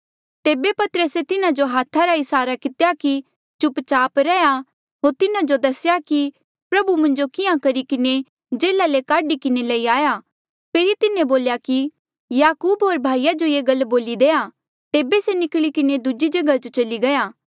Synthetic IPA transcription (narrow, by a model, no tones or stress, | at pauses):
t̪eːbepɐt̪əɾəset̪ɪnãd͡ʒoɦaːt̪ʰːaɾaɪsaːɾakɪt̪ejaki | t͡ʃʊpt͡ʃaːpɾɛja | ɦoːɾt̪ɪnãd͡ʒod̪ɐsjaki | pɾɐbumɐ̃ɲd͡ʒokɪjãkɐɾikɪne | d͡ʒeːlalekaːɖikɪnelɐiaːja | pʰeːɾit̪ɪnẽboːljaki | jaːkuːbɦoːɾbʱaːijad͡ʒojeːɡɐlboːlid̪eːa | t̪eːbesenɪkɭikɪned̪ʊd͡ʒid͡ʒɐɡad͡ʒot͡ʃɐliɡɐjaː